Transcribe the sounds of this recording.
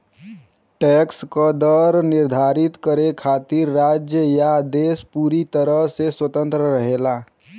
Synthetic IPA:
ʈɛkskod̪əɾnɪɾd̪ʱaːɾɪt̪kəɾekʰaːt̪iɾːaːd͡ʒjəjad̪eːspuːɾit̪əɾəɦseswət̪ə̃nt̪ɾəɾəɦeːla

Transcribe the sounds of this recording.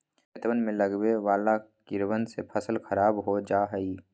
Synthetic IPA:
t̪ʋənmẽləɡbeʋaːlakɪɾwənsepʰəsəlkʰəɾaːbɦod͡ʒaːɦəiː

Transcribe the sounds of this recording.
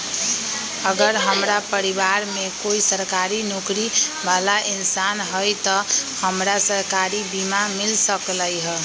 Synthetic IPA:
əɡəɾɦəmɾapəɾiβaɾmekoisəɾkaɾinokɾibalaʔinsanɦəjt̪ɔhəmɾasəɾkaɾibimamilsəkləjɦə

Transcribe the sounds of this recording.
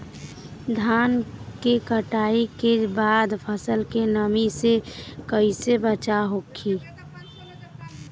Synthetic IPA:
d̪ʱaːnkekəʈaːikebaːd̪pʰəsəlkenəmisekəisebət͡ʃaɦokʰi

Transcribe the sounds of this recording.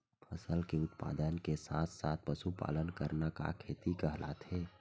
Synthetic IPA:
pʰəsəlkeʊt̪pa̰ːd̪ənkesaːt̪ʰsaːt̪̚ʰpəsupa̰ːlənkəɾnaka̰kʰeːt̪ikəɦla̰t̪ʰeː

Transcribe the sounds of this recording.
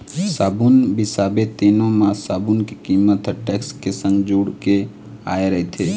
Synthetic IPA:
saːbunbisaːbet̪iːnõmãsaːbunkikimət̪ʈɛːkskesə̃ŋɡd͡ʒuːɽke | a̰ːeɾəɦet̪ʰe

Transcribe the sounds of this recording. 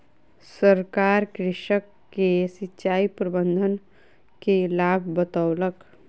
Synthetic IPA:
səɾkaːɾkɾɪʃəkːesɪtːʃaːipɾəbə̃nd̪ʱən | kelaːb̚ʱbət̪awlək

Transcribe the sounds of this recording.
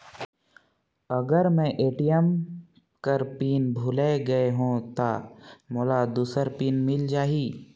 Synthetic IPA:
ɐɡəɾmɛ̃ʔeːʈijəm | kəɾpiːnbʱʊleɡɐeɦõːt̪aːmoːlad̪uːsəɾpiːnmɪld͡ʒaːiː

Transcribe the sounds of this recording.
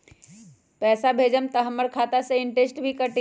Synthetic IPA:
pɛsabʱed͡ʒəmt̪əɦəmːəɾkʰat̪asə̃iɳʈesʈbʱikəʈ

